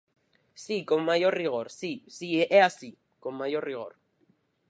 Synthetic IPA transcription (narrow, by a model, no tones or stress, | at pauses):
sikomajoriɣoɾsisieʔeasi | komajoriɣo̰r